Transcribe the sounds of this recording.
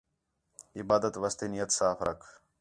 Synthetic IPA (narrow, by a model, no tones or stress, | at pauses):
ɪbaːd̪ət̪ʋɐst̪inijət̪saːfɾɐ̰kʰ